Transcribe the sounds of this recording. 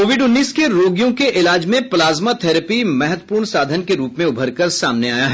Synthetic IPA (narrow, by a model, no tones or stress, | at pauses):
koːʋɪɖʊnːiːskeɾoːɡijõkeʔɪlaːd͡ʒmẽplaːzmat̪ʰɛːɾəpimɛɦət̪əəpuːɾɳsaːd̪ʱənkeɾuːpmẽʊbʱəɾkɐɾsaːmneaːjaɦ